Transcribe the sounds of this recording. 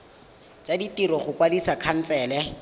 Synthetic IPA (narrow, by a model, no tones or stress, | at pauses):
t͡ʃaditiɾɔχʊkwadisakʰan̩t͡sɛːlɛ